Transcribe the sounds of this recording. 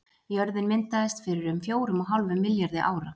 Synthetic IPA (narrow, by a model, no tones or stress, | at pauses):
jœɾðɪnmɪnt̪aðɪst̪fɪɾɪɾʏmfjoːwɾʏmɔɦawlvɪmːɪljaɾðɪʔaːwɾa